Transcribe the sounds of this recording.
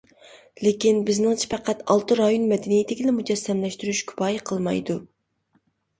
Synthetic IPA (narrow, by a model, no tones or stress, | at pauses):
lekʲinbɪznɪŋt͡ʃʰi̥pʰæqʰæt̪ɑlˠt̪ɨɾɑjonmɛd̪ɪnijɪt̪ʰɪkʲilɛmud͡ʒɛsːɛmlɛʃt̪yɾyʃkʲʰy̥pɑːjiqʰəlˠmɑ̰jd̪u